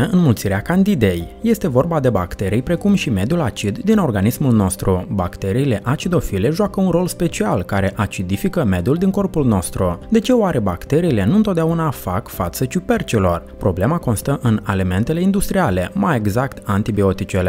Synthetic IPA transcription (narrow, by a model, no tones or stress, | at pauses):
eɨnmult̪siɾeakand̪id̪e̞jje̞st̪e̞vo̞rbad̪e̞ba̰kt̪e̞ɾijpɾe̞kumʃime̞d̪julat͡ʃid̪d̪ino̞rɡanismulno̞st̪ɾuba̰kt̪e̞ɾiːle̞ʔat͡ʃid̪o̞file̞ʒoakəunɾo̞lspe̞t͡ʃialkaɾe̞ʔat͡ʃid̪ifikəme̞d̪juld̪iŋko̞rpulno̞st̪ɾud̪e̞t͡ʃe̞oaɾe̞ba̰kt̪e̞ɾiːle̞nuɨnt̪ot̪̚d̪aunafa̰kfat̪sət͡ʃupe̞rt͡ʃilo̞rpɾo̞ble̞mako̞nst̪əʔɨnelime̞nt̪e̞le̞ind̪ust̪ɾiale̞maje̞ɡzakt̪ant̪ibio̞t̪it͡ʃele